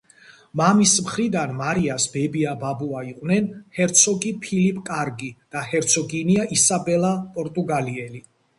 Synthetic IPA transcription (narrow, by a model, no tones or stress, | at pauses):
mamismχɾid̪anmaɾiasbɛbiababuaiqʼwnɛnhɛɾt̪sʰɔɡipʰilipʼkʼaɾɡid̪̥ahɛɾt̪sʰɔɡiniaʔisabɛlapʼɔɾt̪ʼuɡaliɛli